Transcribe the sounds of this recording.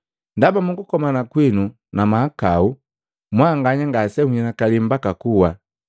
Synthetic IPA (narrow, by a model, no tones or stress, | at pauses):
ndabamuŋɡukɔmanakwinu | namaakau | mwaːŋɡaɲaŋɡasɛhuɲɛnakalim̩bakakuwa